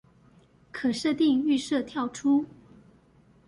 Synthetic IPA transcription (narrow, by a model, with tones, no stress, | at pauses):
kʰɤ˨˩ʂɤ˥˧t̪i˥˧ŋy˥˧ʂɤ˥˧t̪ʰjɑ˥˩ʊʈ͡ʂʰu˥